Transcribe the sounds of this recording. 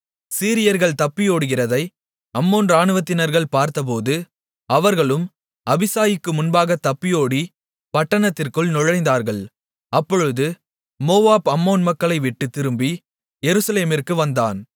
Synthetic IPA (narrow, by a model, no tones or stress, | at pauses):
siːɾɪjɐɾɣɐɭt̪ɐpːɪjoːɽɯɣɪrɐðɐɪ | ɐmːoːnɾaːɳɯʋɐt̪ːɪnɐɾɣɐɭpaːɾt̪ɐp̬oːðɯ | ɐʋɐɾɣɐɭɯm | ʔɐbɪsaːjɪkːɯmʊnbaːɣɐt̪ɐpːɪjoːɽi | pɐʈːɐɳɐt̪ːɪrkɯɭnɔɻɐɪnd̪aːɾɣɐɭ | ɐpːɔɻɯðɯ | moːʋaːbɐmːoːnmɐkːɐɭɐɪʋɪʈːɯt̪ːɪɾɯmbi | jɛɾɯsɐleːmɪrkɯʋɐnd̪aːn